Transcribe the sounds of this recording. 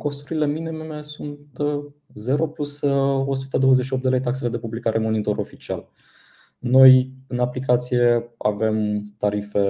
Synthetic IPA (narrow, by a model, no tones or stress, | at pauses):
ko̞st̪uɾile̞minememesunt̪ | ze̞ɾo̞pluso̞s̬u̥t̪ed̪o̞wəzeʃiop̚td̪elejt̪akse̞le̞d̪e̞publikaɾʔe̞mo̞nit̪o̞ɾo̞fit͡ʃial | no̞jɨnaplik̬at̪sije̞a̰ve̞mt̪aɾife̞